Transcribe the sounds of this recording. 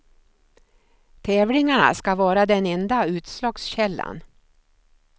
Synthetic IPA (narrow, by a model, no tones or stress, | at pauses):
t̪ʰɛːvlɪŋaɳa̰skavɑːɾad̪ɛnɛnd̪aʉ̟ːt̪slɑːɡsɕɛlːa̰n